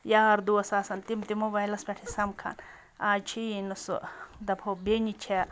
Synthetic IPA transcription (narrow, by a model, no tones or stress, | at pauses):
jaːɾd̪uɐsaːsɐnt̪imt̪imobajlɐspʲeʈʰisɐmkʰa̰n | at͡ʃʰiinɐsd̪ɐpʰobenit͡ʃʰe